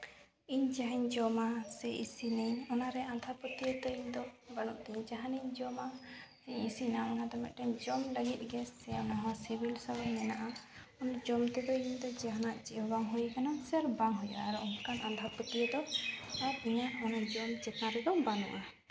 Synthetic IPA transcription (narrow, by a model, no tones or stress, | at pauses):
iɲd͡ʒaɦɛɲd͡ʒɔmasɛʔisinɛɲɔnaɾɛãnd̪ʱapət̪ijət̪əiɲd̪ɔbanɔʔt̪ɛiɲd͡ʒaɦaniɲd͡ʒɔma | iɲisinamnad̪ɔmɛ̰ʔ̚ʈɛɲd͡ʒɔmləɡit̪̚ˀɡɛsɛɔnaɦɔwasibilsabanmɛnaʔa | ɔnd͡ʒɔmt̪ɛd̪ɔiɲd̪ɔd͡ʒaɦanaʔt͡ʃiʔɔbaŋɦujkanasɛɾbaŋɦuja̰ʔa̰ɛɾɔʔɔnkanʔand̪ʱapət̪ijəd̪ɔaɾiɲaɔnad͡ʒɔmd͡ʒɛt̪naɾɛd̪ɔbanɔ̰̃ʔa